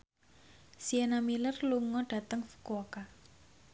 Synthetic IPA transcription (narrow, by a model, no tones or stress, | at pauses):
sienamilərluŋɔɖ̥ä̤t̪əŋfu̥kwɔka